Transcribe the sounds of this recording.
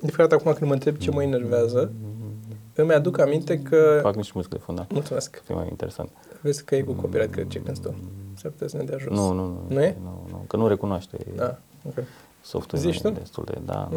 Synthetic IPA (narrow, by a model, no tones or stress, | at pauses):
nd̪ifeɾat̪akumakɨnməɨnt̪ɾebt͡ʃe̞məene̞rveazə | ɨmad̪ukamint̪e̞kʰəfaknit͡ʃumizikd̪efunamult̪sumeskfijḛma̰jḭnt̪eɾesa̰nt̪vesʲkːəjekukopiɾat̪̚ʲkɾed̪̚t͡ʃekɨnst̪usapu̥t̪esned̪eaʒunnusnuunujenunukənuɾe̞kunoaʃt̪ḛd̪a | oke | so̰ft̪uziʃt̪ud̪est̪ṵld̪ḛd̪a̰